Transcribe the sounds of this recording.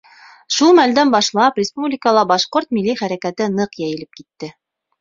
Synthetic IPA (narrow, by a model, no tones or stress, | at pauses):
ʃulˠmæld̪ænbɑʃlˠɑprʲɪspublʲɪkəlˠɑbɑʃqoɾt̪milːiχæɾækæt̪ɘnɤqjæjɘ̆lɘp̚kit̪ːɘ